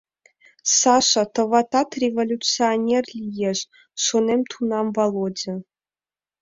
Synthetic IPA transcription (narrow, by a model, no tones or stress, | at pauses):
sɑʃɑt̪ɤ̆vɑt̪ɑt̪rʲevolʲut͡sɨonʲerlʲijeʒ | ʃonemt̪ʰunɑmbɑlˠod͡ʑɘ̆